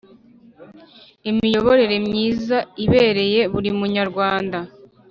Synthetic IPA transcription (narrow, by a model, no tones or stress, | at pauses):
imijo̞βo̞ɾe̞ɾe̞mɲiːzaiβe̞ːɾe̞je̞βuɾimuɲaɾɡwaːnda